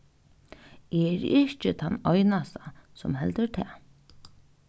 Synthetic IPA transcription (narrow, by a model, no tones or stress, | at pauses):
ɛɾɪʃt͡ʃɪt̪ʰanːɔjnast̪asɔmhɛlt̪əɾt̪ʰɛː